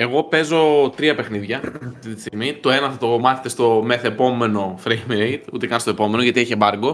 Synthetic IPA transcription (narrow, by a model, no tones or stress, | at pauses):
e̞ɣo̞pe̞zo̞t̪ɾiɐpe̞xniðʝɐɐft̪it̪i̥st̪iɣmit̪o̞e̞nɐθɐt̪o̞mɐθet̪est̪o̞meθepo̞me̞no̞fɾejmejt̪ut̪e̞kɐnst̪o̞e̞po̞me̞no̞ʝɐt̪ieçebɐɾɡo̞